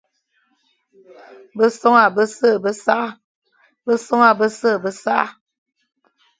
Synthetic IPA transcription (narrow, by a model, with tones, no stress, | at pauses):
bə˦so˦ŋa˨bə˦sə˦˨bə˦sa˦ | bə˦so˦ŋa˦˨bə˦sə˦˨bə˦sa˦